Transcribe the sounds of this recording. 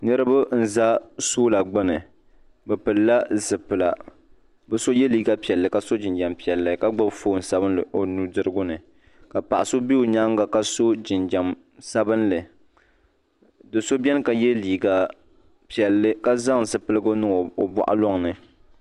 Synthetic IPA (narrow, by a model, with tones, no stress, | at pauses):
nɨ˦ɾɨ˦bʊ˦n̩˨za˦soː˦la˨ɡ͡bɨ˦nɨ˨ | bɛ˨pɨ˨lla˦zɨ˨pɨ˨la˨ | bɛ˨so˦jɛ˦liː˦ɡa˦pi˨ɛ˨lːɨ˨ka˨˦so˦d͡ʒɪ˨nd͡ʒa˨mpi˨ɛ˨lːɨ˨ka˦ɡ͡ba˦bfoː˦˨n̩˨sa˦bɨ˦nlɨ˨ʔo˨nu˨dɨ˦ɾɨ˦ɡʊ˦nɨ˨ | ka˨pa˨ʔa˨so˦bi˦o˨ɲa˦ŋɡa˨ka˦so˦d͡ʒɪ˨nd͡ʒa˨m | sa˦bɨ˦nlɨ˨ | dɨ˨so˦bʲɛ˦n˦ka˨jɛ˦liː˨ɡa˨ | pi˨ɛ˨lːɨ˦ka˦za˦ŋ˨zɨ˨pɨ˦lɨ˦ɡo˦nɨ˦ŋ˨o˨bɔ̰˨ʔa̰˦lɔ˦ŋnɨ˨